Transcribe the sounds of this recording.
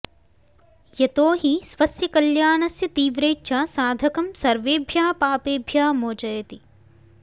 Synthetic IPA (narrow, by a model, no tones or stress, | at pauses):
jɐt̪oːɦisʋɐsjɐkɐljaːnɐsjɐt̪iːʋɾeːʃaːsaːd̪ʱɐkɐmsɐɾʋeːbʱjaːpaːpeːbʱjaːmoːt͡ʃɐjɐt̪i